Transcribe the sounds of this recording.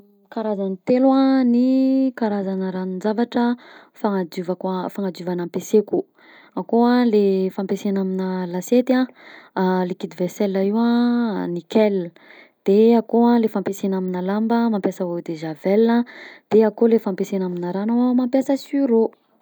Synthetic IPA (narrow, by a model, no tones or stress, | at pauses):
kaɾazanit̪elwanikaɾazanəɾaninzavaʈ͡ʂəfaŋad͡ʒuvakafaŋad͡ʒuvanampeseku | akoalefampesenaminəlaset̪ã | lekid̪ivɛsɛlaiwanikɛl | d̪̥eakoalefampesenaminalambəmampjasavod̪eʒavɛlnəd̪̥eakolefampesenaminəɾanamampjasəsyɾo